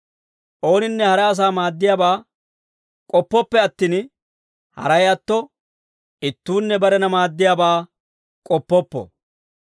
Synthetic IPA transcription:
ʔo̞ːnɪnːɛhɐɾɛɐs̬aːmaːd̪ːɪjaːbaː | kʼɔpːɔpːɛɐt̪ːiːn | hɐ̰ɾɐjɐt̪ːɔ | ɪt̪ːuːnːɛbɐɾɛnɐmaːd̪ːɪjaːbaː | kʼɔpːɔpːɔ̰

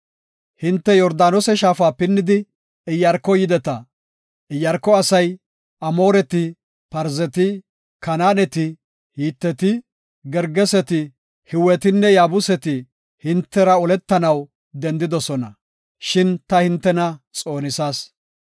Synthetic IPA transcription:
hɪnt̪ːɛjɔɾd̪aːnɔsɛʃaːfaːpɪnːɪd̪ɪ | ɪjːɐɾkːɔjɪd̪ɛt̪ɐ | ɪjːɐɾkːɔɐsɐj | ɐmo̞ːɾɛt̪ɪ | pɐɾzɛt̪ɪ | kɐnaːnɛt̪ɪ | hiːt̪ːɛt̪ɪ | ɡɛɾɡɛsɛt̪ɪ | hɪwɛt̪ɪnːɛjaːbʊsɛt̪ɪ | hɪnt̪ːɛɾɐɔlɛt̪ːɐnɐw | d̪ɛnd̪ɪd̪ɔsɔnɐ | ʃɪnt̪ɐhɪnt̪ːɛnɐt͡sʼo̞ːnɪsaːs

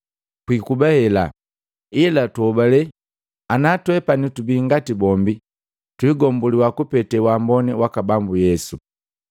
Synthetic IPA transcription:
kwikubahɛla̰ | ilatuɔbalɛ | anatwɛpanitubiŋɡatibɔmbi | twiːɡɔmbuliwakupɛtɛwambɔniwakabambujɛsu

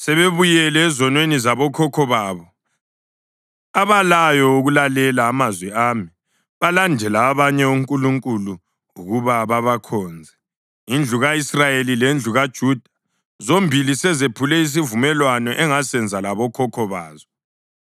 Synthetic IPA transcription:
sɛβeβujɛlɛːzɔnwenizaβɔkʰɔkʰɔβaːβɔ | aβalajɔuɣulalɛlaːmazwɛaːmi | βalandʱɛlaːβaɲɛuŋkʼuluŋkʼulu | uɣuβaβaβakʰɔːnd͡zʱɛ | ind͡ɮʱuɣaisrajelilend͡ɮʱuɣad̥ʒ̥ʱuːd̥ʱa | zombʱilisɛzepʰulɛis̬ivumɛlwanɔʔɛŋasɛnd͡zʱalaβɔkʰɔkʰɔβa̰ːzɔ

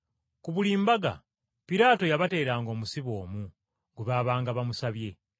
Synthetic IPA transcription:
kuβuliːmbaɡa̰ | piɾaːto̞jaβate̞ːɾaːŋɡo̞ːmusiβo̞ːmu | ɡuβaβaːŋɡaβamusaβje̞

